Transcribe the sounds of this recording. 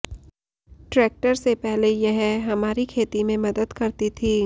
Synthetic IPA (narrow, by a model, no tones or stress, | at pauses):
ʈɾeːk̚ʈəɾsepɛɦlejɐɦɛɦɐmaːɾikʰeːt̪imẽmɐd̪əd̪kɐɾt̪it̪ʰiː